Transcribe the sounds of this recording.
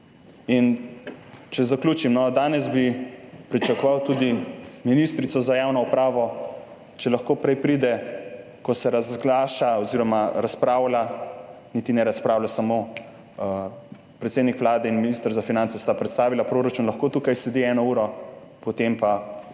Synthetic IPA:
in | t͡ʃɛzaklʲuːt͡ʃimnɔd̪aːnɛsbipɾit͡ʃakɔʋawt̪ud̪iminist̪ɾit̪sɔzajaːwnɔupɾaːʋɔ | t͡ʃɛlaxkoːpɾɛjpɾiːd̪ɛ | kɔsɛɾazɡlaːʃaɔziɾɔmaɾaspɾaːwla | niːt̪inɛɾaspɾaːwlasamo | pɾɛt̪seːd̪nikʋlaːd̪ɛinminist̪əɾzafinant̪sɛst̪apɾɛt̪st̪aːʋilapɾoːɾat͡ʃunlɐxkoːt̪uːkajslɛd̪iɛːnɔuːɾɔ | pot̪empa

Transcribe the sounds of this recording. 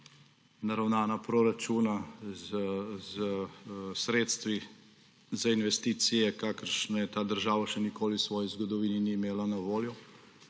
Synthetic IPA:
naɾawnaːnapɾɔɾat͡ʃuːnazzəsɾeːt̪st̪ʋi | zainʋɛst̪iːt̪sijɛkakəɾʃnɔjɛt̪aːd̪əɾʒaːʋaʃɛnikoːlisʋɔːjizɡɔd̪ɔʋiːniniːmeːlanaʋoːljɔ

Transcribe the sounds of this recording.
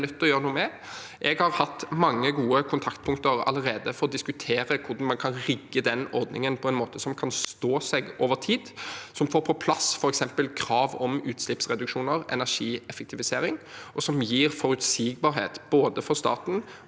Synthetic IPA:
nœt̪ːɔjøːɾənuːəmɛ | ʔɛɡhɑʁhɑt̪ːmɑŋːəɡuːəkʰʊnt̪ʰɑkt̪̚pʰʊŋt̪əɾɑ̰ləʁeːd̪əfɔɾɔd̪ɪskʉt̪ʰeːɾəkʰʊʁɖ̪ɑnmɑnkʰɑnɾɪɡːəd̪ɛnɔɾd̪nɪ̰ŋənpʰɔɛnmoːt̪əsɔmkʰɑnst̪oːsɛɡoːʋəʁt̪ʰiːd̪sɔmfoːɾpʰɔpʰlɑsfɔɾɛksɛmpəlkʰɾɑːʋɔmʉːt̪slɪpsʁɛd̪ʉkʂuːnəʁɛ̰næʁʂiːɛfɛk̚t̪ʰɪʋɪseːɾɪŋʔɔsɔmjiːʁfɔɾʉt̪siːɡ̚bɑːɾɦḛːt̪b̥oːd̪əfɔʁst̪ɑ̰ːt̪n̩

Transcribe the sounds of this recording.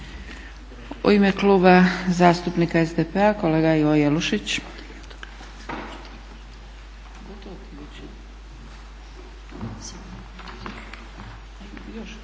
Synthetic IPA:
ṵimekluːbazaːst̪upnikaezd̪epeako̞le̞ːɡajʋojeluʃit͡ɕ | ɡot̪t̪

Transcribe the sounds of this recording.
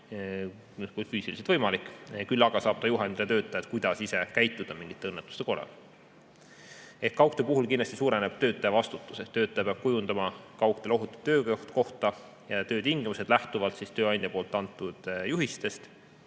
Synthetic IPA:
kufyːsiliset̪vɤjmɑlikːˑkylːɑɡ̥ɑsɑːb̥̚t̪ɑjuɦɑnd̪let̪ø̞ːt̪ːˑɑjɑt̪kujd̪̥ɑsise̞kæjt̪ːˑud̪̥ɑmiŋɡ̥it̪ːˑe̞ɤnːet̪ːˑu̥st̪e̞kolɑ̰l | e̞hkːɑwkt̪epuɦulkind̪lɑst̪isuːɾe̞neb̥t̪ø̞ːt̪ːˑɑjɑvɑst̪ut̪ːˑu̥seht̪ːø̞ːt̪ːˑɑjɑpeɑb̥̚kujund̪̥ɑmɑkɑwkt̪e̞lo̞ɦut̪ːˑu̥d̪ø̞ːkt̪ko̞ht̪ɑ | jɑt̪ø̞ːt̪iŋɡ̥imuse̞d̪læht̪uvɑlt̪sist̪øːɑnd̪̥ʲjɑpoːlt̪ˑːɑnt̪ːˑud̪̥juɦist̪e̞st̪

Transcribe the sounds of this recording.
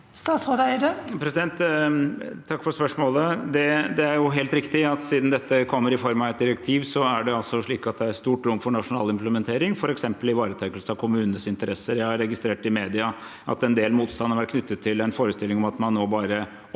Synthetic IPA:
st̪ɑːt̪sɔd̪æɪədəpʰɾɛsɪd̪ɛnt̪ | t̪ʰɑkːfɔɾspœʂmoːləd̪ɛd̪ɛæɾjʊɦeːlt̪ɾɪkt̪ɪɑt̪siːd̪nd̪ɛt̪ːəkʰɔmːəɾɪfɔɾmɑʋɛt̪̚d̪ɪɾɛk̚t̪ʰiːʋsɔæɖɛɑlsɔʂɭiːkɑt̪̚d̪ɛæɾst̪uːʈɾʊmːfɔɳɑʂʊnɑ̰ːlɪmpləmɛnt̪ʰeːɾɪŋfɔɾɛksɛmpəlɪʋɑːɾət̪ʰɛkːəlsəɑʋkʰʊmʉːnənəsɪnt̪əɾɛsːəɾjæɪhɑɾːɛɡɪst̪ɾeːʈɪmeːd̪ɪɑ | ʔɑ̰t̪ɛnd̪eːlmuːt̪st̪ɑnəɾʋæɾt̪̚kʰnʏt̪ʰːət̪ʰːɪlɛnfoːɾəst̪ɪlːɪŋɔmɑt̪mɑnːoːbɑːɾə

